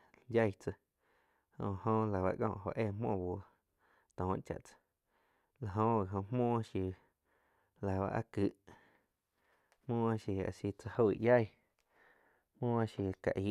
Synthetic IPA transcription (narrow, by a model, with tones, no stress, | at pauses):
ja˦˧˨jt͡sə˧ | hõ̰˧˨hõ˧la˨βa̰˧ʔkɔ̰̃˧˨ʔho̰˧˨ʔeː˧˨mɔ̰̃ː˧˨bo˧˨ | t̪ɔ̃ː˨˦t͡ʃa̰˨ʔt͡sḁ˧ | la˨ɦõ˧a˨ɦõ˧m̥mõː˦ʃi˧ | la˨ba̰˧ʔa̰˧kɨ˧˦ʔ | mmõː˦a˧ʃi˧a̰˧˨si˧t͡sa˧ho˧i˨ja˦˨j | hmõː˦a˧ʃji˧ka̰˨ʔi˨˦